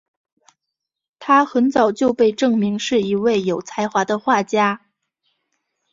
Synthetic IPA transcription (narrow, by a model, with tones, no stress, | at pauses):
t̪ʰa˥xə˧˥nt͡sɑ˨˩ʊt͡ɕjo˥˧ʊpe˥˧ɪʈ͡ʂɤ˥˩ŋmi˧˥ŋʂɻ̩˥˩i˧˥we˥˩ɪjo˨˩ʊt͡sʰa˧˥ɪxwa˧˥d̪ə˧xwa˥˩t͡ɕja˥